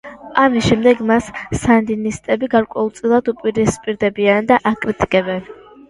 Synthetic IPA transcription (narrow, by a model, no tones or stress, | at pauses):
amisʃɛmd̪ɛɡmasːand̪inist̪ʼɛbiɡaɾkʼwɛulˠt̪sʼilˠad̪upʼiɾispʼiɾd̪ɛbiand̪aʔakʼɾit̪ʼikʼɛbɛn